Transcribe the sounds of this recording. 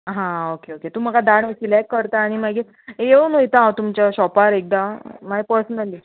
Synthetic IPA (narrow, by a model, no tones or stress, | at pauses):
ɦãokeoket̪uːm̤əɡad̪aɳʋisilɛkːəɾt̪aːɽ̃imaɡe | ejeonojt̪aawt̪umt͡ɕaɕɔpaɾek̚d̪amaepəɾsənəli